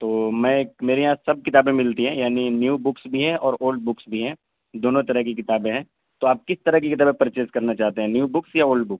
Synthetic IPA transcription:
t̪oːmɛ̃ːmeːɾeɦãsɐb̚kɪt̪aːbẽmɪlt̪iɦɛ̃jaːninjuːbʊksbʱiɦɛ̃ʔɔːɾoːlɖ̚bʊksbʱiɦɛ̃ː | d̪oːnõt̪ɐɾəɦkikɪt̪aːbẽɦɛ̃ː | t̪oaːp̚kɪst̪ɐɾəɦkikɪt̪aːbẽpɐɾt͡ʃeːskɐɾnat͡ʃaːɦt̪eɦɛ̃njuːbʊksjaoːlɖbʊks

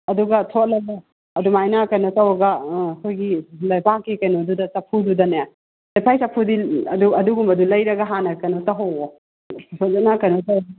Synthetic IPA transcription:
ɐduɡɐtʰot̚lɐɡo | ɐdumajnakɐjnotɐwɐɡɐɐkʰojɡilɐjbakːikɐjnodudɐsɐpʰududɐne | lɐjpʰajsɐpʰːudiɐduɐduɡumɐdulɐjɾɐɡɐɦanɐkɐnotɐɦowo | sozanakɐjnotɐw

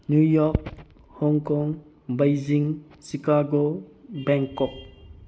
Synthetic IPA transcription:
njujɔk̚ | hɔŋkɔŋ | bajziŋ | sikaɡobɛŋkɔk̚

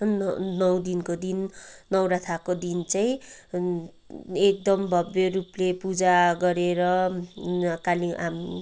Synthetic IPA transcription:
nʌwd̪inkod̪inːʌwɾat̪ʰakod̪int͡sajĩ | ek̚d̪ʌmbʱʌbjʌɾuplepud͡zaɡʌɾeɾʌ | kaliam

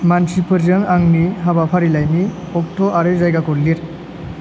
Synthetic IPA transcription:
mansipɯɾzɯŋaŋniɦabapʰaɾilajni | ɔk̚tʰɔʔaɾezajɡakɔlliɾ

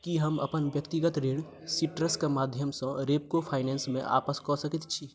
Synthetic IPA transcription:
kiɦəmə̰pənbjəkt̪iɡət̪ɾeɽ | siʈɾəskemad̪ʱjəmsə̃ɾep̚kopʰaɪnensmẽʔa̰pəskɔsəkit̪t͡ʃʰi

